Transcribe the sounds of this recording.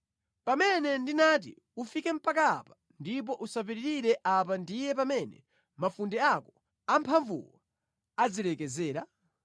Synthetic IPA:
pamɛnɛndinat̬ḭ | ufikɛm̩pakaːpḁ | ndip̬ɔʔusap̬iɾiɾiɾɛʔap̬andijɛp̬amɛnɛ̰ | mafundɛakɔ | ampʰaɱvṵwa | ad͡zilɛkɛzɛːɾa

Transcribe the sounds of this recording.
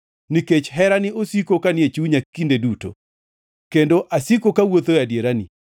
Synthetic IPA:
niket͡ʃɦɛɾanɪosikokanjet͡ʃuɲakːindeduto̰ | kendoʔasikokawot̪ojadjeɾanḭ

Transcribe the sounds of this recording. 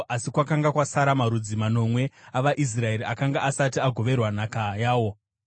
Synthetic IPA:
ʔasikwakaŋɡakwasaɾamaɾud͡zimano̞mwe̞aʋaʔis̬rae̞ɾiakaŋɡaʔasatiaɡʱo̞ʋe̞rwanakajaːwo̞

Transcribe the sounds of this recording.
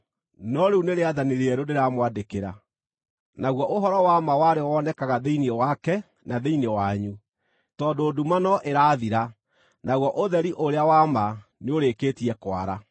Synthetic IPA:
nɔɾeuneɾeaðaneɾeɛɾodeɾamwadekeɾa̰ | naɣwɔʔoɦɔɾɔwamawaɾewɔnɛkaɣaðeiniɛwakɛ | naðeinewaɲu | tɔːdoːdumanɔʔeɾaːðiɾa | naɣwɔʔoðɛɾiʔoɾeawamaneoɾeːkeːtiɛkwa̰ɾa

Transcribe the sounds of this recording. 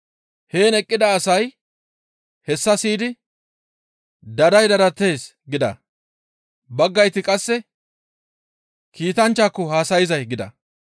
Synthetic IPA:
he̞ːnɛkʼːɪd̪ɐːsɐj | hɛsːɐsiːd̪ɪ | d̪ɐd̪ɐjd̪ɐɾɐt̪ːe̞ːs | ɡɪd̪ɐ̰ | bɐɡːɐjt̪ːɪkʼɐsːɛ | kiːt̪ɐnt͡ʃːaːkːɔhaːsɐjɪzɐjɡɪd̪ɐ̰

